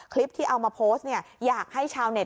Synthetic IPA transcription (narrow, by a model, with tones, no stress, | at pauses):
kʰli˦˥p̚t̪ʰiː˥˩ʔa˧wmaː˧pʰoː˦˥s̚ni˥˩ɐjaː˨˩k̚ha˥˩jt͡ɕʰaː˧wne˨˩